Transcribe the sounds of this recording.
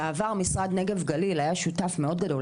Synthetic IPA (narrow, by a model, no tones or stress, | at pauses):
aːvaʁmisʁad̪ne̞ɡe̞vɡalilhajaʃutafme̞o̞d̚ɡado̞